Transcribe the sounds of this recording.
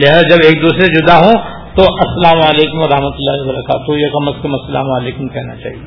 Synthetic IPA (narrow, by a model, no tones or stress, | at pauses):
leɦd͡ʒɐbeːk̚d̪uːsɾed͡ʒʊd̪aɦõ | t̪oʔɐsːɐlaːmaːleːkʊmɔɾɐɦmət̪ʊlːaːɦibɐɾɐkaːt̪ɦojekɐməskɐmɐsːɐla̰ːmaːleːkʊmkɛɦnat͡ʃa̰ːɦie